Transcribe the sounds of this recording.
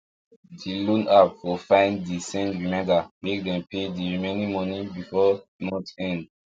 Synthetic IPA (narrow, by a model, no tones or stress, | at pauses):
dilõnapfɔfãɪ̃ndisɛ̃ndɹimɛ̃mdamek̚dɛ̃mpʰediɹimẽnĩmɔ̃nibifɔmɔ̃tɛ̃nd